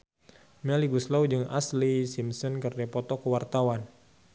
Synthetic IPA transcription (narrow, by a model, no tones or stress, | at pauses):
mɛliɡuslawd͡ʒɨŋa̰slisimsɔnkərdapɔt̪ɔkəwart̪awan